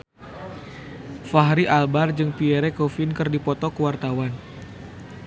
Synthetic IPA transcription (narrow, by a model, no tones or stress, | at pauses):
faɦɾiʔalbard͡ʒɨŋpiɛɾɛkofinkɨrdipɔt̪ɔkəwart̪awan